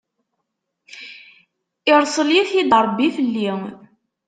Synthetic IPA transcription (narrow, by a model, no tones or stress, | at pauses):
ɪɾˤsˤəljiθid̪ˤəɾˤbːiθəlːi